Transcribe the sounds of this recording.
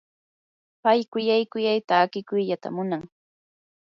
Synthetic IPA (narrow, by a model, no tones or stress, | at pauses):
pajkʊjajkʊjajt̪aːkɪkʊjʎat̪a̰mʊnaŋ